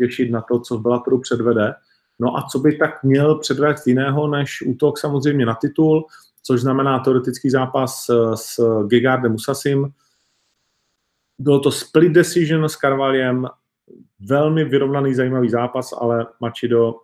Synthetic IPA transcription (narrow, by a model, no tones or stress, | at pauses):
ɛʃɪt̪nat̪o̞t͡sovbɪlat̪oɾupr̝̥ɛdvɛdɛ | no̞ʔa̰t͡so̞bɪt̪akmɲɛlpr̝̥ɛdvɛːst̪jɪnɛːɦo̞nɛʃʔuːt̪o̞ksamozrɛjmɲɛnat̪ɪt̪ul | t͡soʒznamɛnaːt̪ɛo̞ɾɛt̪ɪt͡skiːzaːpassɡɪɡaɾdɛmusasɪm | bɪlot̪o̞splɪdɛsɪʒnskaɾvalɪjɛm | vɛlmɪvɪɾo̞vnaniːzajiːmaviːzaːpasa̰lɛmat͡ʃɪdo̞